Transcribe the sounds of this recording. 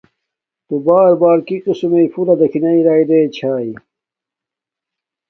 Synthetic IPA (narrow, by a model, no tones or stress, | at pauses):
t̪ubaːɾbaːɾkiqisumeifuɾɐd̪ɐkʰinɐiɾaːid̪eːt͡ɕʰaːi